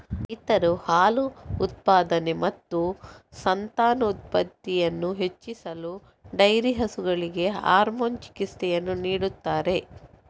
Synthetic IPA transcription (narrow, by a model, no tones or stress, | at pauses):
it̪ɐɾuhaːluːt̪̚paːd̪ɐne̞mɐt̪ːusɐnt̪aːnɐut̪̚pɐt̪ːijɐnːuɦet͡ʃːisɐlu | ɖɐjɾiɦɐsuɡɐɭiɡe̞ɦa̰ːɾmoːnt͡ʃi̥kist̪ɛjɐnːuniːɽut̪ːaːɾe̞